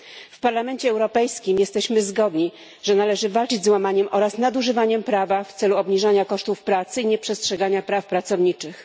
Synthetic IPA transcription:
fpaɾlamɛnt͡ɕɛːwɾɔpɛjskʲimjɛst̪ɛɕmɘzɡɔd̪ɲi | ʐ̥ɛnalɛʐɘvalt͡ʂɘd͡ʑzwamaɲɛmʔɔɾasnad̪uʐɘvaɲɛmpɾavaft̪sɛluɔbɲiʐaɲakɔʂt̪ufpɾat̪sɘiɲɛpʂɛstʂɛɡaɲapɾafpɾat̪sɔvɲit͡ʂɘx

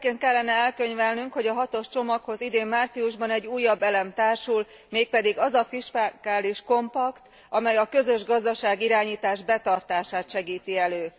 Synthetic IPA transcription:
keːnt̪̚kɛlːɛnɛɛlkø̞ɲvɛlnyŋkho̞ɟɒɦɒt̪o̞ʃt͡ʃo̞mɒkho̞zid̪eːmːaːrt̪siuʒbɒnɛɟːuːjːɒbːɛlɛmt̪aːrʃul | meːk̚pɛd̪iɡɒzɒfiʃpakaːliʃko̞mpɒkt̪ | ɒmɛjɒkø̞zø̞ʒɡɒzd̪ɒʃaːɡiɾaːɲiːt̪aːʒbɛt̪ɒrt̪aːʃaːt̪ʃɛɡiːt̪iɛløː

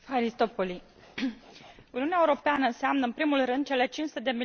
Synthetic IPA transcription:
aɾist̪opoli | uniuneaeuɾo̞peanəɨnseamnəɨnpɾimulrɨnd̪̚t͡ʃe̞le̞t͡ʃinʃsut̪e̞d̪e̞mi

